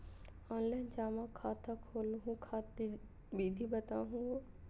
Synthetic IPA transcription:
ɔːnlɛnd͡ʒaːmãkʰaːt̪ʰakʰoːlɦũkʰaːt̪i | biːd̪ʱibɐt̪a̰ːɦũɡo

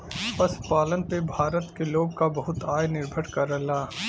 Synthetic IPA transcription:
pɐspaːlənpebʱaːɾət̪keloːɡkabɐɦʊt̪aːjnɪɾbʱəɽkɐɾəlaː

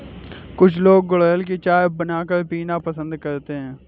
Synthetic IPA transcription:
kʊt͡ʃʰloːɡ̚ːʊləjəlk̬iːt͡ʃaːjbənaːkəɾpiːnaːpəsə̃nd̪kəɾt̪eːɦɛ̃ː

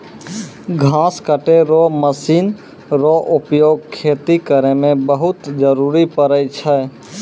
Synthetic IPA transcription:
ɡʱãːskəʈeɾoməsiːn | ɾoʔʊpjoːɡ̚kʰːeːt̪ikəɾemẽbəɦʊt̪d͡ʒəɾuɾipəɾəjt͡ʃʰɛ

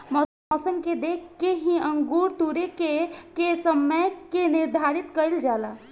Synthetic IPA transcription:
mɔ | ɔsəmked̪ekʰkeɦĩəŋɡuɾt̪uɾekekesəmːəjkeniɾd̪ʱaɾit̪kəjld͡ʒala

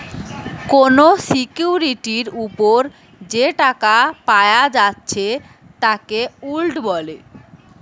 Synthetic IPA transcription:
konosikjuɾiʈiɾupoɾ | d͡ʑeʈakapaead͡ʑatːɕʰe | t̪akeulɖbɔle

